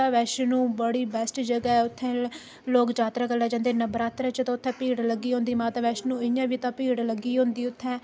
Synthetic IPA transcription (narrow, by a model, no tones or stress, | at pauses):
aːʋɛːʃnũːbəɽiːbɛːsʈd͡ʒəɡɛɛːʊt̪ʰːɛ̃ː | loːkd͡ʒaːt̪ɾaːkəlːaːd͡ʒãːnd̪eːnəbəɾaːt̪ɾãt͡ʃt̪ãːʊt̪ʰːɛ̃ːpiːɽləɡːiːɦõːnd̪iːmaːt̪aːʋɛːʃnũːɪjãːʋiːt̪ãːpiːɽləɡiːɦõːnd̪iːʊt̪ʰːɛ̃ː